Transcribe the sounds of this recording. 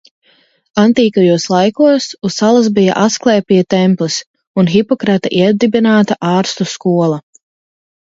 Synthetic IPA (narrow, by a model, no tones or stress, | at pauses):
ant̪iːkajuɔslˠajkuɔsusalˠasbija̰ʔasklˠɛːpijat̪ɛmplˠɨs | unxipɔkɾat̪aʔiɛd̪ibinaːt̪aʔaːɾst̪uskuɔlˠa